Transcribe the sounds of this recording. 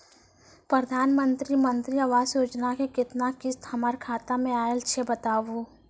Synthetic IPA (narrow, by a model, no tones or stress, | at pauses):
pɾəd̪ʱaːnmə̃nt̪ɾimə̃nt̪ɾiaʋaːzjoːd͡ʒnakekɪt̪nakɪst̪ʰɐmaɾkʰaːt̪amẽaːelt͡ʃʰebət̪aːʋo